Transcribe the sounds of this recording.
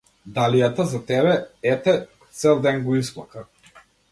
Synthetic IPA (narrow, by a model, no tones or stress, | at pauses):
d̪alijat̪azat̪ɛβɛɛt̪ɛ | t̪sɛlˠd̪ɛnɡɔisplˠaka